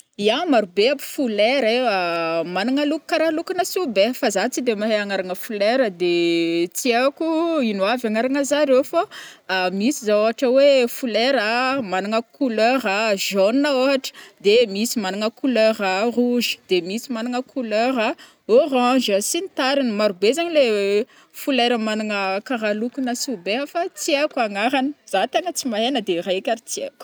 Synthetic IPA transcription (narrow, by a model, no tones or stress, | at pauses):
iamaɾubeapu̥fuleɾeamanaŋəluku̥kaɾalukanəsubefazat͡sid̪emaɦeaŋaɾaŋəfuleɾəd̪et͡siakuinwavaŋaɾaŋəzaɾewfaːmisizaoɦaʈ͡ʂəwefuleɾəmanaŋəkuløɾəʒonnaoɦaʈ͡ʂə̥d̪emisimanaŋəkuløɾaruʒi̥d̪emisimanaŋəkʰuløɾa | orãd͡ʒəsinit̪aɾinimaɾubezaɲile | fuleɾəmanaŋəkaɾalukunəsubeɦafat͡siakaŋaɾanəz̥at̪eŋət͡simaɦenəd̪eraakʲaɾit͡siḛk